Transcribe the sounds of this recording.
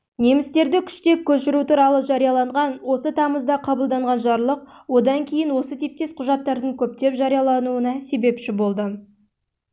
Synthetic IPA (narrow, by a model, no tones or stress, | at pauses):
ne̞mɪst̪e̞ɾd̪ɪkʲʰʏ̥ʃt̪e̞p̚kʲʰɵʃɪɾut̪uɾɑlˠəʒɑɾijɑlˠɑɴʁɑnwo̞sət̪ʰɑməzd̪ɑqʰɑbəlˠd̪ɑɴʁɑnʒɑɾlˠəq̚wo̞d̪ɑŋkʲʰe̞jɪnwo̞sət̪ʰep̚t̪e̞sqʰʊʒɑt̪ːɑɾd̪əɴkʲʰɵp̚t̪e̞pʒɑɾijɑlˠɑnuənɑse̞be̞pʃɪbo̞lˠd̪ə